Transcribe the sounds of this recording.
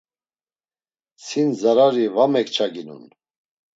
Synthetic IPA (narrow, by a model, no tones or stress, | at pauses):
sʰinzaɾaɾivamɛkt͡ʃʰaɡinṵn